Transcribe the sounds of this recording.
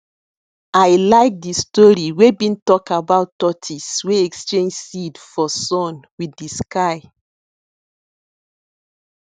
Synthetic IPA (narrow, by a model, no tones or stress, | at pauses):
ajlaɪk̚distɔɹiwebĩntɔkabaʊtɔtʰisweɛkstẽnd͡ʒsidfɔsɔ̃nwiiskaɪ